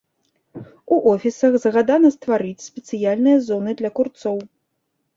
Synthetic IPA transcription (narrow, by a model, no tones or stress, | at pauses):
uʔɔfʲisɐxzɣad̪anɐst̪vaɾɨt͡sʲsʲpʲɛt̪sɨjalʲnɨjɐzɔnɨd̪lʲɐkurt̪sɔw